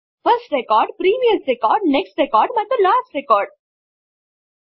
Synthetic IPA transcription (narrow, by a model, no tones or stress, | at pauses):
fəɾsʈɾekɔːɾɖpɾiːmijəsɾekɔːɾɖneksʈɾekɔːɾɖbaɪd̪əlaːsʈɾekɔːɾɖ̚